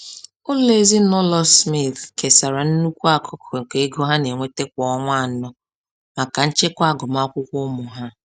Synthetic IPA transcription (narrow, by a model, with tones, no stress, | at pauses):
ʊ˦le˦zi˦nɔ˦lɔ˦smi˦˨θke˨sa˨ɾa˨n̩˦nu˦kʷu˦a˨kʰɔ˦kŋ̩˨ke˨e˦ɡo˦ɦa˦ne˨ŋʷe˦te˦kʷɔ˨˦ŋʷa˦˨˦nɔ˦ | ma˨ka˨n̩˦t͡ʃe˦kʷa˦˨ɡɔ˨ma˦ɔ˦kʷʊ˦kʷʊ˦mʊ˨ɦa˦